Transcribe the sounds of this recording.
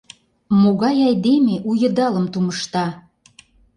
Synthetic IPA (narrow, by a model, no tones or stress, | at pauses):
moɣɑjɑjd̪emeʔujə̆d̪ɑlə̆mt̪uməʃt̪ɑ